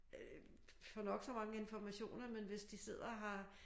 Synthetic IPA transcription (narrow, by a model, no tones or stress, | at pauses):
fɒnɒ̽ɡ̥sɒ̽mɑ̈ŋəe̝nfɒmæɕo̝̰ːnɐmenʋe̝sd̥ise̝ð̞̰ˠɐɦɑ̈